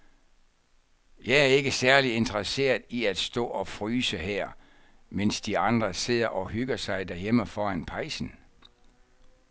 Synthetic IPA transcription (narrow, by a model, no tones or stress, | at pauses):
jɑ̈ɪæɐe̝ɡ̥əsæɐlie̝nd̥əʁəse̝̰ːɐðˠiæd̥sd̥ɔ̰̽ːɒ̽fʁyːsəhɛɐ̰ | mensd̥iɑ̈nd̥ʁɐse̝ð̰ˠɐʔɒ̽hyɡ̥ɐsɑ̈ɪd̥æɐjeməfɒːænpʰɑ̈ɪsn̩